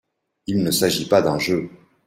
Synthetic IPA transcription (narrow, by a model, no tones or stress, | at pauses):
ilnəsaʒipad̪ɛ̃ʒø